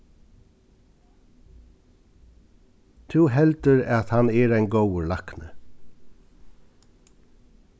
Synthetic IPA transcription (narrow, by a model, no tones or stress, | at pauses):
t̪ʰʉːɦɛlt̪əɹɑt̪hɑnɛːɹæɪnɡowəɹlɑknə